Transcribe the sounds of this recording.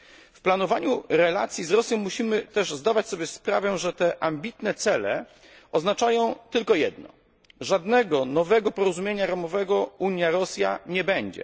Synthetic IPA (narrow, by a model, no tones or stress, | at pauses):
fplanɔvaɲuɾɛla̰t̪sʲjizɾɔsʲjɔ̃w̃mːuɕimɘt̪ɛʐzd̪avat͡ɕsɔbʲjɛspɾa̰vɛʐɛt̪ɛʔambʲit̪nɛt̪sɛlɛ̰ | ɔznat͡ʂajɔ̃w̃t̪ɘlkɔjɛd̪nɔ̰ | ʐad̪nɛɡɔnɔvɛɡɔpɔɾɔzumʲjeɲaɾamɔvɛɡɔuɲjaɾɔsʲja̰ɲɛbɛɲd͡ʑɛ̰